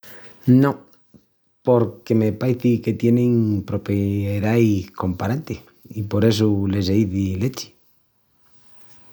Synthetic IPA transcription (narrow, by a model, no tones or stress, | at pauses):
no | poɾkemepaeθiket̪jeneŋpɾopeðajkompaɾant̪e | ipoɾes̬ulezejðilet͡ʃi̥